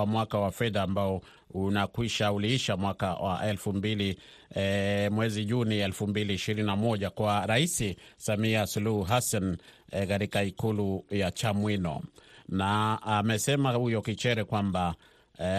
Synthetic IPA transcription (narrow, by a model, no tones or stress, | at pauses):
amwakawafɛðaːmbaɔ | unakwiʃauliːʃamwakawʔa̰ʔɛlfumbili | mwɛziʄuniɛlfumbiliːʃiɾininamɔʄakwaɾaisisamiasuluhuɦasankaɾikaikulujat͡ʃamwinɔ̰naamɛsɛmahujɔkit͡ʃɛɾɛkwamba